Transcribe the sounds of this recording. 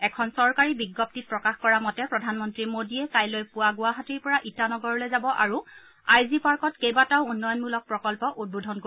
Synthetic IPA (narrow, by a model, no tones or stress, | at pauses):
ɛkʰɔnsɔɹkaɹibiɡːɔp̚tit̚pɹɔkaxkɔɹamɔtɛpɹɔdʱanmɔntɹimodiɛkajlojpʊwaɡʊwaɦatiɹpɔɹaʔitanɔɡɔɹɔlojzabɔʔa̰ɹu | ajzipaɹkɔtkejbataʊunːɔjɔnmulɔk̚pɹɔkɔlpɔʔud̚bodʱɔnko